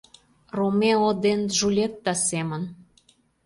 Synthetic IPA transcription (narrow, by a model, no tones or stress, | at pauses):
romeod̪enʒulʲet̪ːɑsemə̆n